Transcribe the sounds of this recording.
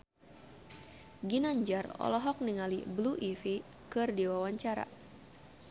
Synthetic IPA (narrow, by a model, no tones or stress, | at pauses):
ɡinaɲd͡ʒarɔ̰lɔɦɔk̚niŋalḭbluʔifi | kɨrdiwawaɲt͡ʃaɾa̰